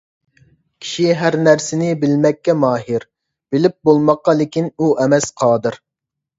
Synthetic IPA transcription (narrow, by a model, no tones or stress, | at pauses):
kʲʰi̥ʃiɦæɾnæɾsɪnɪbɪlmɛkʲːɛmɑːɦɪɾ | bɪlɪp̚bolˠmɑqːɑlˠɪkʲinuʔɛmɛsqʰɑːd̪ɨɾ